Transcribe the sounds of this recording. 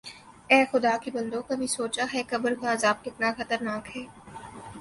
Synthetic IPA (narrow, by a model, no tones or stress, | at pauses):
ɛːxʊd̪aːkebɐ̃nd̪õkabʱisoːt͡ʃaɦɛːkɐbəɾkaːzaːb̚kɪt̪naxɐt̪əɾnaːkɦɛː